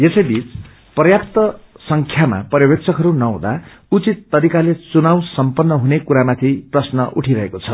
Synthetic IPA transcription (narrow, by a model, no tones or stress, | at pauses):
jesʌjbit͡s | prʌjakt̪ʌ | sʌŋkʰjama̰pʌrjʌbek̚t͡sʰʌkɦʌɾunʌɦṵ̃d̪a̰ | ut͡sit̪ːʌɾikalet͡sunaw̃sʌmpʌnːʌɦunekuɾamat̪ʰiprʌsnʌʔuʈʰiɾʌɦekot͡sʰʌ